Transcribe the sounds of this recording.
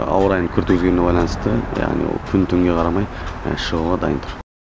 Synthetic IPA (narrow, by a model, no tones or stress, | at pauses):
ɑ̰wəɾɑjəɴkʲʰʏɾt̪kɵzɡʲe̞nne̞bɑjlˠɑnəst̪əja̰ʁnḭwo̰lˠkʲʰʏnt̪ʰʏŋɡʲe̞qʰɑɾɑmɑjʃəʁuʁɑd̪ɑ̰jənt̪ʰʊɾ